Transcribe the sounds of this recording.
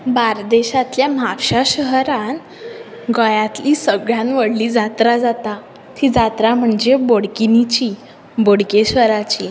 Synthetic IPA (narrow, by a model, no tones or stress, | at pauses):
baɾd̪eɕat̪ljamapɕaɕəɦɾãn | ɡəjat̪lisəɡɭjãnʋəɽliːd͡zat̪ɾad͡zat̪a | t̪ʰid͡zat̪ɾam̤əɳd͡zeboɽkinit͡ɕi | boɽkeɕʋəɾat͡ɕi